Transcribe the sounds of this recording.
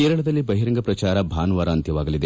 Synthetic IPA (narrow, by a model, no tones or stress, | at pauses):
eːɾɐɭɐd̪ɐlːibɐɦiɾɐŋɡɐpɾɐt͡ʃaːɾɐbʱaːnʋaːɾaːnt̪jɐʋaːɡɐlid̪e